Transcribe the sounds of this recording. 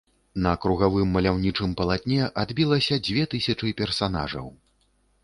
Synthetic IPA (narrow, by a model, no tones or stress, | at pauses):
nɐkɾuɣavɨmːɐlʲawnʲit͡ʂɨmpɐlˠat̪ʲnʲɛʔad̪bʲilˠɐsʲɐd͡zʲvʲɛt̪ɨsʲɐt͡ʂɨpʲɛrsan̪a̰ʐɐ̰w